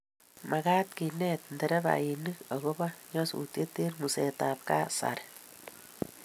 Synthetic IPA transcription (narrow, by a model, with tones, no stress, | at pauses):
ma˨ɣa˦t̪ki˨nɛt̪̚ndɛ˨ɾɛ˦ba̰i˨ni˦ka˨ɣo˦ba˦ɲɔ˦sṵ˨tje˦t̪e˦rmu˨seta˨p̚ka˦sa̰˨ɾ